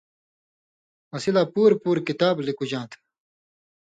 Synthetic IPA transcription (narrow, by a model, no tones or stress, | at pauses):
mɐsilaːpuːɾpuːɾkit̪aːblikud͡ʑãːt̪ʰ